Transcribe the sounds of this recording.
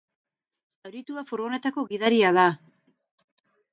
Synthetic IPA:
sawɾit̪uafuɾɣo̞ne̞t̪ako̞ɣiðaɾiaða

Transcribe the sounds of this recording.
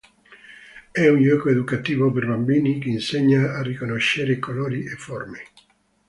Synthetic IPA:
ɛuɲʎɔkoed̪ukat̪iːvopeɾbambinikeːnseɲːaːrikonoʃeɾekoloːɾiʔefɔrme

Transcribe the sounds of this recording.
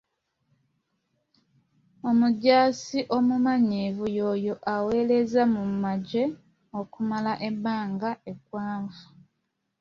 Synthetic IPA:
o̞muɟaːsiʔo̞mumaɲivujo̞ːjo̞ʔawe̞le̞zamumaɟe | o̞kumalaʔebaːŋɡae̞kwaːɱvu̥

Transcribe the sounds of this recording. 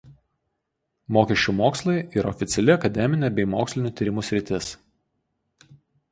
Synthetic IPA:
moːkʲɛʃʲt͡ʃʲumoːkslˠɐɪiɾɐɔfʲɪt̪sʲɛlʲɪɐkɐd̪ʲɛmʲɪnʲeˑbʲɛɪmoːksʲlʲɪnʲuːˑt̪ʲiːɾʲɪmusʲɾʲɪt̪ʲɪs

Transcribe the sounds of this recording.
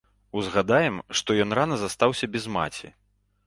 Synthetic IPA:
uzɣad̪ajɛmʂt̪ɔjɔnranɐzast̪awsʲɐbʲɛzma̰t͡sʲḭ

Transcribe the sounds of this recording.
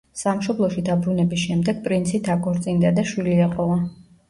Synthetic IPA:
samʃɔblˠɔʃid̪abɾunɛbisʃɛmd̪ɛɡ̥̚pʼɾint̪sʰit̪ʰakʼɔɾt̪sʼind̪ad̪aʃwiliɛqʼɔva

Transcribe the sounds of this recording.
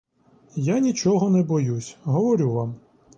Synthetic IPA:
janʲit͡ʃɔɦɔnɛbɔjusʲɦɔʋɔɾʲuʋam

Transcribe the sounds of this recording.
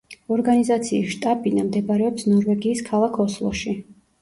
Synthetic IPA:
ɔɾɡanizat̪sʰiːsʃt̪ʼapʼinamd̪ɛbaɾɛɔpsnɔɾvɛɡiːskʰalˠakʰɔslˠɔ̰ʃi

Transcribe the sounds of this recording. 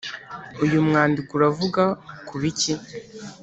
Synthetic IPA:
ujumŋaːndikuɾavuɡakuβici

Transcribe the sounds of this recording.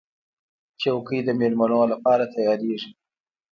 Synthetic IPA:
t͡ʃawkəjd̪əmelmanolapɑɾat̪ajɑɾeʐi

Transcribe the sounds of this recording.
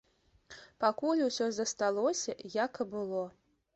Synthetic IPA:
pakulʲusʲɔzɐst̪alˠɔsʲɐjakbɨlˠɔ

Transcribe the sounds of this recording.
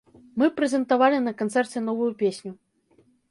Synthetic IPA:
mɨpɾɛzʲɛnt̪avalʲinɐkant̪sɛrt͡sʲɛnɔvujupʲesʲnʲu

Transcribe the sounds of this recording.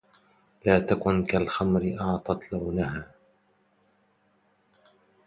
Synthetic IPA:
laːt̪akʊnkalxamɾɪʔɑʕt̪ˤɑt̪lawnaɦaː

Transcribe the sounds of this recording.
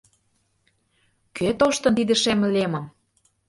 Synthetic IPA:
køt̪oʃt̪ɤ̆nt̪id̪ə̆ʃemlemɤ̆m

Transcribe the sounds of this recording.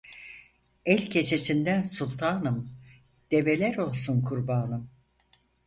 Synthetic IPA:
ɛlʲcʰe̞se̞sind̪ænsulˠt̪ʰaːnɯm | d̪̥e̞ve̞lʲæɾo̞lˠsunkʰuɾbaːnɯm

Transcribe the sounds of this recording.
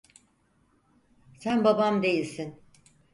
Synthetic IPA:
sænbabamd̪e̞jilʲsin

